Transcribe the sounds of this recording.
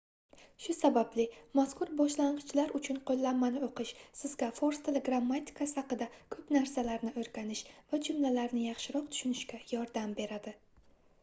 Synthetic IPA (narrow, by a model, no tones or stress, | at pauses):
ʃʊsabablɪmaskʊɾbɒʃlaɴqɨt͡ʃʰlaɾʊt͡ʃʰʊnqʰolˠːanːanɪoqɨʃsɪzɡʲafoɾst̪ʰeleɡɾamːat̪ʲʰɪ̥kʰasɪhaqɨd̪akʰɵpnaɾsalaɾnɪɵɾɡʲanɪʃvad͡ʒʊmlalaɾnɪjɑχʃɪɾɒq̚t̪ʰʊ̥ʃʊnɪʃkʲajɒɾd̪ambe̞ɾad̪ɪ